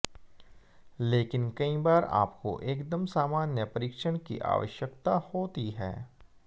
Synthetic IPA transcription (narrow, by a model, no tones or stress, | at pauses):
leːkɪnkɐibaːɾa̰ːpko̰ʔeːkd̪əmsaːmaːnjəpɐɾiːkʃəɽ̃kḭʔa̰ːʋə̰ʃjəkt̪ahoːt̪iɦɛ̰ː